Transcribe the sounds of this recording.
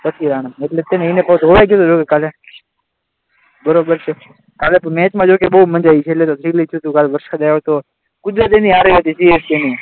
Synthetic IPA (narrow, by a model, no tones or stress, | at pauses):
pət̪ʰiɾaːɳ̃aeʈlet̪eneinepət̪ɦoʋajkjot̪od͡ʒokekaːle | bəɾobəɾt͡ʃʰe | kaːlepəmɛ̃ːt͡ʃmãd͡ʒoːkeɓəumənd͡ʒait͡ʃʰeːʈlet̪ot̪ʰɾilit͡ʃ̪ʰjut̪ukaːlʋəɾʃad͡ʒ̪ajot̪o | kʊd̪ɾat̪eniaːɾəiɦət̪isiest̪eni